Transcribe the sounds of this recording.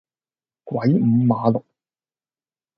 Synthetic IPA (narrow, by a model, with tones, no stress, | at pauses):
kwɐ˨˥jm̩˨˧maː˨˧lʊ˨k̚